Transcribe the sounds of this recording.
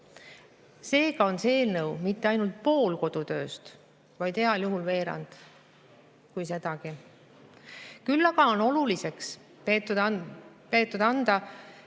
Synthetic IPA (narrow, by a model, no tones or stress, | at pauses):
se̞ːɡ̥ɑo̞nseːlnɤwmit̪ːe̞ɑjnult̪̚po̞ːlko̞d̪̥ut̪ø̞ːst̪ | vɑjd̪̥he̞ɑljuɦulve̞ːɾɑ̰nd̪̥ | kujse̞d̪̥ɑɡ̥i | kylːɑɡ̥ɑo̞no̞lulise̞ks | t̪upe̞ːt̪ːˑud̪ɑnd̪̥ɑ